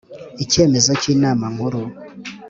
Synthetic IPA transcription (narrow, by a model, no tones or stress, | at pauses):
ice̞ːme̞zociːnaːmaŋhuɾu